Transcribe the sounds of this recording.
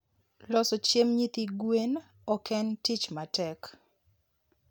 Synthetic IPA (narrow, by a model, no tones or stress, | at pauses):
lɔsɔt͡ʃemɲit̪iɡwen | ɔkɛntit͡ʃmatɛk